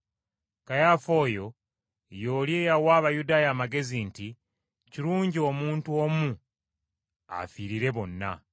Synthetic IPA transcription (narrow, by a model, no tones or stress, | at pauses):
kajaːfo̞ːjo̞ | jo̞ːlje̞ːjawaːβajudaːjaːmaɡe̞zinti | ciɾuːɲɟio̞muːntuomu | a̰fiɾiɾe̞βo̞nːa̰